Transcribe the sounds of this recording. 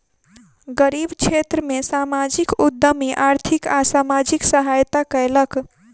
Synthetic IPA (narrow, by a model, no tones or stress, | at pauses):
ɡəɾibkt͡ʃʰet̪ɾəmesamad͡ʒikud̪ːəmiʔaɾt̪ʰikasamad͡ʒiksəɦajt̪akəjlək